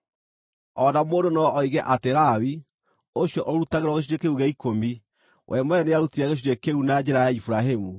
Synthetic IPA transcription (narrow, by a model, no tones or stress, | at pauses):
ɔnamoːndonɔɔiɣɛʔateɾawi | oɕjɔʔoɾutaɣeɾwɔɣeɕ̬iɾekeuɣeikomi | wʔɛmɔɛneaɾutiaɣeɕ̬iɾekeunad͡ʒɛɾajaifuɾaɦemu